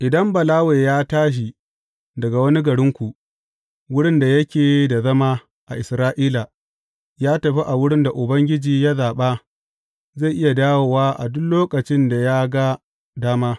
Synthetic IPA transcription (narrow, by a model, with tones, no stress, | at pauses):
ʔɪ˨dɐ˦mbɐ˨laː˦weː˨jaː˦taː˦ʃ̬i˨ | dɐ˨ɡa˨wɐ˦ni˦ɡɐ˨ɽɪ˦ŋkʷu˨ | wʊ˦ɽɪ˦nda˨jɐ˦kʲeː˨da˨zɐ˦maː˦ | ʔa˨ʔɪ˨sɾaː˦ʔiː˦la˨ | jaː˦tɐ˨ɸi˦ʔa˨wʊ˦ɽɪ˦nda˨ʔʊ˨bɐ˦ŋɡʲɪ˦d͡ʒiː˨ja˦zaː˨ɓaː˦ | za˦˨ʔɪ˦ja˨daː˦woː˨waː˦ʔa̰˨dʊ˦loː˦kʼɐ˨t͡ʃɪ˦nda˨ja˦ɡa˦ | daː˦maː˦